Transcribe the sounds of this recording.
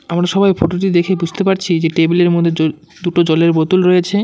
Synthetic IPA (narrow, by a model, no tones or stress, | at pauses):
amɾaʃɔbajfoʈoʈ̬id̪ekʰebud͡ʑʱt̪epaɾt͡ɕʰid͡ʑeʈebeleɾmod̪ʱːeo | d̪uʈod͡ʑɔleɾbot̪ulɾojet͡ɕʰe